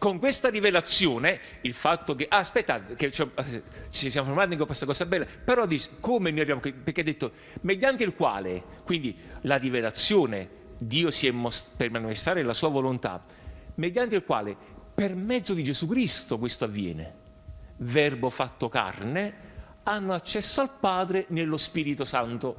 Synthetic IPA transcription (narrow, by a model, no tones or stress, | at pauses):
koŋkwest̪aɾivelat̪sːjoːne | ilfat̪ːokeʔaːspɛt̪ːaket͡ʃɛt͡ʃisjamofoɾmat̪nikopːasːakɔːsabɛlːapeɾɔd̪it͡ʃkomenoːjabjamokeperkead̪ːet̪ːo | med̪jant̪eilkwa̰ːlekwind̪ilarivelat̪sːjoːne | d̪iːosiɛmːospermanifest̪ɾaːɾelasuːavolont̪a̰ | med̪jant̪̬eilkwa̰ːle | permɛd̪zːod̪id͡ʒezukɾist̪ok̬west̪oavːjɛ̰ːnḛ | vɛrbofat̪ːoka̰rne | anːoat͡ʃːɛsːoalpaːd̪ɾenelːospiːɾit̪osant̪o